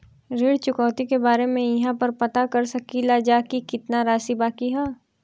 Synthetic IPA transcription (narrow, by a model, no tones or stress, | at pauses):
ɾeːɽt͡ʃʊkɔːt̪ikebaːɾemẽjɐɦãpɐɾpɐt̪akɐɾsɐkilad͡ʒaːkikɪt̪naɾaːsibaːkiɦɛː